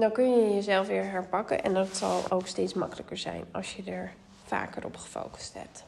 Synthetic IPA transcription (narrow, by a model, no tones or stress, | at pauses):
dɑŋkɵnjəjəzɛlˠfʋɪːɹɦɛɹpɑkə̰nʔɛ̰ndɑtsɑlˠowkstejtsmɑkələkəɹzɛ̰jnɑ̰lˠʃjədəɹ | fa̰ːkərɔ̰pχə̥fo̰wkə̥stɦɛ̰p̚t